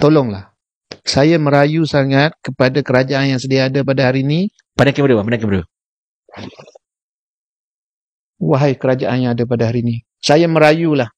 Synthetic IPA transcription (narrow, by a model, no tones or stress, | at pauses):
t̪olɔŋla̰h | sajaməɾajusaŋat̪̚kəpadakəɾad͡ʒaʔanjaŋsədiaːdapadahaɾini | panaŋkibəɾiapanãkimbəɾo | waɦajkəɾad͡ʒaʔanjaŋadap̬adaɦaɾini | sajaməɾajulah